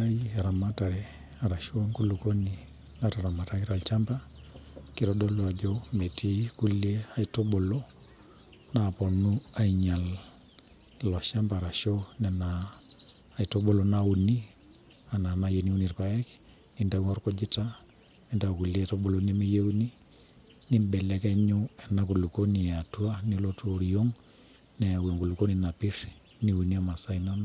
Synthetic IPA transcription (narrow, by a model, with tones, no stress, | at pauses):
a˦jia˨ɾa˨ma˦ta˨ɾɛ˨ | a˨ɾa˨ʃo˦ŋku˦lu˨ko˦ni˨ | na˦ta˨ɾa˨ma˨ta˦ki˦ɾa˨lt͡ʃa˦mba˦ki˦ɾɔ˦dɔ˦lwa˨d͡ʒo˦me˨ti˦ku˦le˦a˨i˨to˦ɓo˨lo˦ | na˨pɔ˨nu˦a˨i˨ɲa˨l | lɔ˨ʃa˦mba˨ɾa˨ʃo˦nɛ˨naː˨ | i˨to˦ɓo˦lo˦na˦u˨ni˦ | a˨na˨na˨je˨ni˦u˦ni˨rpa˦ɛ˦k | ni˦nda˦wŋɔ˦ɾkɔ˦d͡ʒɪ˦ta˦ | ni˦nda˨ku˨le˦tɔ˦ɓo˨lo˦ni˦mi˦je˦u˦ni˦ | ni˦mbɛ˨lɛ˨kɛ˦ɲu˦ɛ˨na˨˦ku˨lu˨ko˦ni˨a˨tu˦a˦ni˦lo˦to˦ɾi˨jo˦ŋ | nɛ˨a˨wo˨ŋɡu˨lu˨ko˦ni˨na˨pi˦r | ni˦u˨ni˦a˦˨ma˨sa˦inɔ˦na